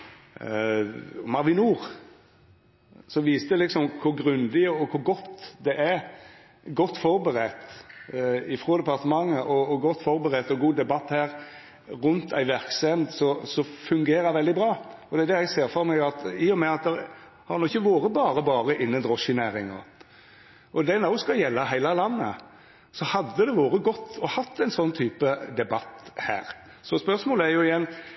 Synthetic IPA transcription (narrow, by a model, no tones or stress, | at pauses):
mɑɾʋɪnuːʁ | sɔʋiːst̪əlɪksɔmkʰʊɾɡɾʉnd̪ɪɔkʰʊɾɡɔt̪ːd̪ɛʔæɾ | ɡɔt̪ːfɔɾbəɾɛt̪ | ɪfɾoːd̪ɛpɑʁt̪əmɑŋːəʔɔːɡɔt̪ːfɔɾbəɾɛt̪ɔɡuːd̪ɛbɑt̪ːhæːɾ | ɾʉnt̪ʰæ̰ɪʋæɾksɛmd̪sɔsɔfʉŋɡeːɾəɾʋɛld̪ɪbɾɑːɔd̪ɛæɾd̪ɛjæɡseːɾfɔɾmæɡɑt̪ɪɔmɛɑt̪̚d̪ɛɾ | hɑɾnɔɪçːəʋoːɾəbɑːɾəbɑːɾəʔɪnːənd̪ɾɔʃɪnæːɾɪŋɔ̰ | ʔɔd̪ɛnoːskɑjɛlːɑɦæɪlɑlɑnːə | sɔhɑd̪ːəd̪ɛʋoːɾəɡɔt̪ːɔhɑt̪ʰːæɪnsɔnːt̪ʰyːpəd̪ɛbɑt̪ːhæ̰ːɾ | sɔspœʁsmoːləæɾjʊɪjɛnː